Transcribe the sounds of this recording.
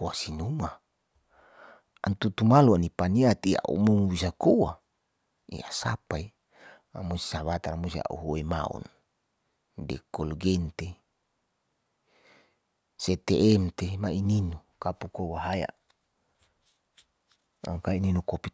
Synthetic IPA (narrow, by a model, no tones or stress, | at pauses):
owasinuma | a̰nt̪ut̪umaluanipaniat̪ia̰ʔṵmuŋubisakowa | ḭa̰sapai | a̰musi̥saβat̪aɾamusia̰ʔṵɦoema̰ṵn | dḛkolɡent̪e | set̪eʔɛmt̪emaininu | kapukowaɦaja̰ | a̰ŋkaininukopi